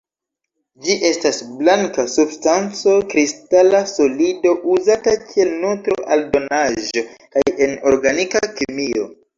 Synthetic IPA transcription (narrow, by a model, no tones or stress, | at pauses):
d͡ʒiʔe̞stasblaŋkasubstant͡so̞kɾistalaso̞lido̞ʔuzatakʰie̞lnotɾoʔaldo̞naʒo̞kaje̞no̞ɾɡanikakimio̞̰